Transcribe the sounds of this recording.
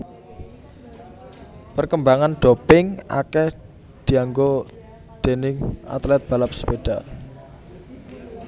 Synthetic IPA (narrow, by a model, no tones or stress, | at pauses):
pərkəmbaŋanɖ̥o̤pɪŋa̰kɛh | d̪̥i̤aŋɡo | d̪̥e̤nɪŋa̰t̪lɛt̪̚b̥a̤lap̚sə̥peɖ̥a